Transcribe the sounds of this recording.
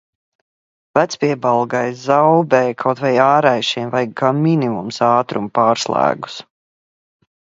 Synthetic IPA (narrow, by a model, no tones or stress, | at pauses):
væt̪spiɛbalˠɡajzawbɛːkʰawt̪vajaːɾajʃiɛmvajɡamʲːinimumsaːt̪ɾumpaːɾslˠæ̰ːɡu̥s